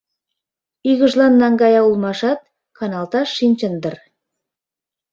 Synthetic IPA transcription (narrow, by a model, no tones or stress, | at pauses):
yɡə̆ʒlˠɑnːɑŋɡɑjɑulˠmɑʃɑt̪̚ | kʰɑnɑlˠt̪ɑʃinʲt͡ɕənd̪ər